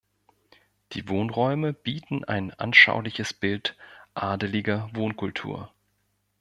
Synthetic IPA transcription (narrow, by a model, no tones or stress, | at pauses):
d̥ḭːvoːnʁɔʏməb̥iːtn̩ʔa̰ɪnʔa̰nʃa̰ʊlɪçəsb̥ɪltʔaːdəlɪɡɐvoːnkʰʊltʰṵːɐ